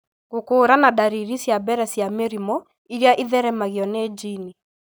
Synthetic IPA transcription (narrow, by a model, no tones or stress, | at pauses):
ɣokoːɾanadaɾiɾisjabɛɾɛsjameɾimɔ | iɾjaʔiðɛɾɛmaɣiɔneːd͡ʒini